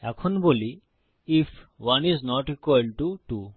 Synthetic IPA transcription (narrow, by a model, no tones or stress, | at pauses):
ɛkʰonboli | ifwaniznɔʈikwɔlɖ̚ʈuʈu